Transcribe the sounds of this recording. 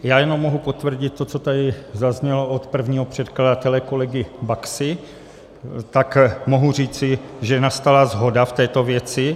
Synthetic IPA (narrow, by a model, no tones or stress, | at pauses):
jaːjɛno̞mːoɦupo̞t̪vr̩ɟɪt̪̚ːot͡sot̪adɪzazɲɛloʔot̪pr̩vɲiːɦopr̝̥ɛt̪kladat̪ɛlɛko̞lɛɡɪbaksɪ | t̪akmo̞ɦur̝iːt͡sɪʒɛnast̪alazɦo̞daft̪ɛːt̪o̞vjɛt͡sɪ